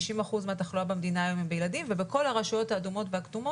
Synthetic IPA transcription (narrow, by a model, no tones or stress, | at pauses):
ʃimaχuzmeat̪aχloabemed̪inaːjo̞mimbejladimvebeko̞lhaʁaʃujo̞thaːdumo̞tbeakd̪umo